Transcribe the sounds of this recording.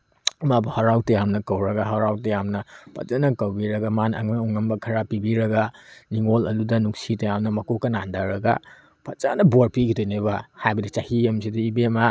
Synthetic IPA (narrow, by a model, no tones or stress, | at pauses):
mabɐhaɾawtɐjamnɐkɐwɾɐɡaɦaɾawtɐjamnɐpɐ̰t͡ʃanɐkɐwbiɾɐɡamanɐ̰ŋaŋuŋɐmbɐkʰɐɾapibiɾɐɡaniŋolɐ̰ludɐnuksitajamnɐmɐkokɐnandaɾɐɡa̰ | pɐt͡ʃanɐboɾpiɡidojnebahajbɐdit͡ʃahiɐmsidɐibema